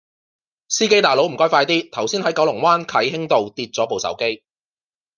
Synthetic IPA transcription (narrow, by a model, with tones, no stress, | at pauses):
siː˥ke˥jt̪aː˨jlo˨˧˥wm̩˨˩kɔː˥jfaː˧jt̪iː˥t̪ʰɐ˨˩wsiː˥nhɐ˨˥jkɐ˨˥wlʊ˨˩ŋwaː˥nkʰɐ˨˥jɦɪ˥ŋt̪o˨wt̪iː˧t̚t͡sɔː˨˥po˨wsɐ̰˨˥wke˥j